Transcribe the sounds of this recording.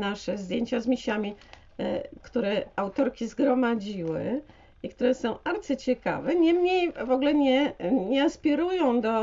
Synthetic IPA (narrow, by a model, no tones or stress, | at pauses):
naʂɛzd̪ʲjeɲt͡ɕazmʲiɕamʲi | kt̪uɾɛawt̪ɔɾkʲizɡɾɔmad͡ʑiwɘ̰ | ikt̪uɾɛsɔ̃w̃aɾt̪sɨt͡ɕɛka̰vɛɲɛmɲejvɔɡlɛɲɛɲɛaspʲiɾujɔ̃w̃d̪ɔ